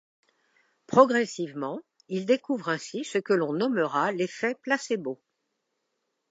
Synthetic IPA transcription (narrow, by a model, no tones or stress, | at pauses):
pχɔɡʁɛsivmɑ̃ | ild̪ekuvʁɛ̃sisəkəlɔ̃nɔməʁalefɛplasebo